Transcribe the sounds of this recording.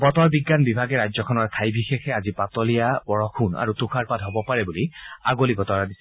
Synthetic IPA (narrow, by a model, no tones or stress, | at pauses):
bɔtɔɹbiɡːanbibʱaɡɛɹajzɔkʰɔnɔɹkʰajbʱixexɛazipatɔlijabɔɹɔxʰuna̰ɹutuxʰaɹpatɦɔbɔpaɹɛbulia̰ɡolibɔtɔɹadis